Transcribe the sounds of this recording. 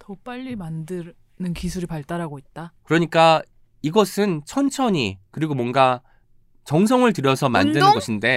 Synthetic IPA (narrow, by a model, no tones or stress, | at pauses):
tʌp͈aʎːimandɯ | nɯnkisʰuɾipaɭt͈aɾaɡoit̚t͈akɯɾʌɲik͈a | iɡʌsʰɯnt͡ɕʰʌnt͡ɕʰʌɲikɯɾiɡomwʌnɡa | t͡ɕʌŋsʰʌŋɯɭt̬ɯɾjʌsʰʌma̰ndɯnɯnɡʌɕʰinde̞